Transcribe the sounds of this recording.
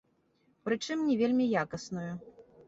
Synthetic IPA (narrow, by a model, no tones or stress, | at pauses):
pɾɨt͡ʂɨmnʲɛvʲelʲmʲijakɐsnuju